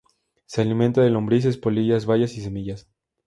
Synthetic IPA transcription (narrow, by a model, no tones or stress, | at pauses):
sealimẽnt̪aðelo̞mbɾis̬e̞spoliʝazβaʝasis̬e̞miʝas